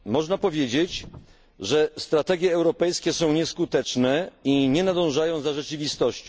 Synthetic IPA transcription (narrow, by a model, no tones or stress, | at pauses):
mɔʐnapɔvʲjed͡ʑet͡ɕ | ʐɛst̪ɾat̪ɛɡʲjɛːwɾɔpɛjskʲɛsɔ̃w̃ɲɛskut̪ɛt͡ʂnɛiɲɛnad̪ɔ̃w̃ʐajɔ̃w̃zaʐɛt͡ʃɨvʲist̪ɔɕt͡ɕɔ̃